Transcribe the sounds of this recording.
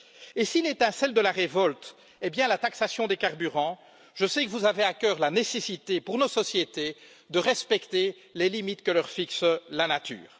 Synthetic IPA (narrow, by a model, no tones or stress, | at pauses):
esilet̪ɛ̃sɛld̪əlaʁevɔlt̪ | ɛbjɛ̃lat̪aksasjɔ̃d̪ekaʁbyʁɑ̃ | ʒəsɛkəvuzaveakʲœːʁlanesesit̪epuʁnosɔsjet̪e | d̪əʁɛspɛkt̪e | lelimit̪kəlœʁfikslanat̪y̰ːʁ